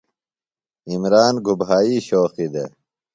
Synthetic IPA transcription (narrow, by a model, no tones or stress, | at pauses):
imɾaːnɡʱubɦaːiːɕoːxid̪ḛ